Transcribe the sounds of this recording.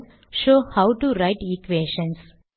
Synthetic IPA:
ʃoːhawʊʈuɾaɪʈikʋeːʃə̃ns

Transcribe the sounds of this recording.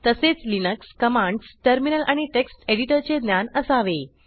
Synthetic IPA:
t̪əset͡slinəkskəmãɳɖsʈəɾminəlʔaɽ̃iʈeksʈeɽiʈəɾt͡sed̪njanəsaʋe

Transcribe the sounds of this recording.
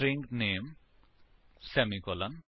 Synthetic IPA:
ɾiŋknem | semikɔlan

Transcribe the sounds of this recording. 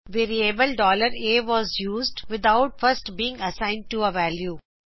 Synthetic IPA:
ʋeːɾiebəlɖɔːləɾeːʋɔːzjuːzɖʋɪd̪aʊʈ̚fʌɾsʈbiːɪ̃ŋɡɐsãɪ̃nɖ̚ʈuəʋæljuː

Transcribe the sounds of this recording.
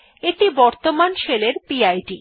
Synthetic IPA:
eʈibɔɾt̪omanʃeleɾpiajɖi

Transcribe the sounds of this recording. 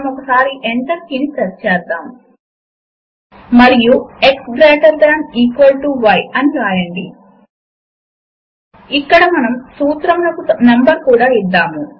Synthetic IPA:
mɔkɐsaːɾiʔeɳʈɐɾkinit̪ɐɾt͡ʃɛːd̪ːaːm | mɐɾijueksɡɾɐːʈɐɾɡɾaːɳiːkʋɐlʈuʋɐjɐniɾaːjɐɳɖi | ikːɐɽɐmɐnɐmsuːt̪ɾɐmlɐkunɐmbɐɾkuːɽaːid̪ːaːmu

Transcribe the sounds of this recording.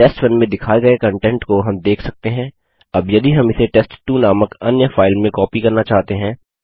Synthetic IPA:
eːsʈfɐnmẽd̪ɪkʰaːiɡɐekɐ̃ɳʈɛ̃ɳʈkoɦɐmd̪eːkʰsɐk̚t̪eɦɛ̃ː | ɐbjɐd̪iɦɐmɪseʈɛːsʈʈːuːnaːməkɐnjəfʰaːɪlmẽkɔːpikɐɾnat͡ʃaːɦt̪eɦɛ̃ː

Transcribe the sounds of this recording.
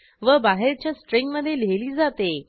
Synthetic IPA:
ʋəbaɦeɾt͡ɕjasʈɾeŋɡməd̪ʱːjeleliːd͡zat̪e

